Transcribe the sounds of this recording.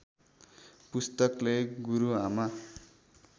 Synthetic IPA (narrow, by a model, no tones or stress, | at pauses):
pust̪ʌkleɡuɾuɦama